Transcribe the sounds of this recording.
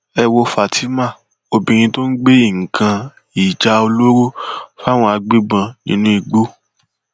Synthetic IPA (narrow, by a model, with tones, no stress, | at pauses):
ɛ˧wo˧fa˨tʰi˦mã˦˨ | o˧bĩ˧ɾ̃ĩ˧to˦n̩˦ɡ͡be˦i˦˨ŋ̩˨kʰã˧ | i˨d͡ʒa˧o˧lo˦ɾo˦fa˦˨w̃ɔ̃˧a˧ɡ͡bi˦ɡ͡bã˧nĩ˦nũ˦i˨ɡ͡bo˦